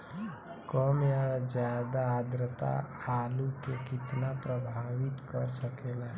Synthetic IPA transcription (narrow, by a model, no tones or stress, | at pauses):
kɔmjad͡ʒjaːd̪aad̪ɾət̪a̰aːlukekɪt̪napɾəbʱaːwɪt̪kəɾsəkela